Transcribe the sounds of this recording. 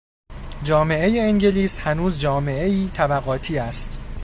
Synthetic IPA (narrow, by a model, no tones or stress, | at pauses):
d͡ʒɒːme̞ʔe̞je̞eŋɟe̞liːshænuːzd͡ʒɒːme̞ʔe̞iːt̪ʰæbæɣɒːt̪ʰiːæst̪